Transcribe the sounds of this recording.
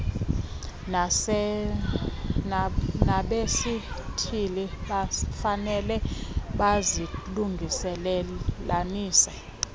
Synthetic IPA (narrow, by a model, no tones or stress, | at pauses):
n | naɓesitʰiliɓafanɛlɛɓaziluŋɡʱisɛlɛlaniːsɛ